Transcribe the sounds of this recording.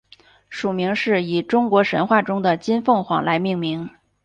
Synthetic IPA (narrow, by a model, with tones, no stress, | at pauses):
ʂu˨˩mi˧˥ŋʂɻ̩˥˩i˨˩ʈ͡ʂʊ˥ŋkwɔ˧˥ʂə˧˥nxwa˥˩ʈ͡ʂʊ˥ŋd̪ə˨t͡ɕi˥nfɤ˥˩ŋxwɑ̰˨˩ŋla˧˥ɪmi˥˩ŋmi˧˥ŋ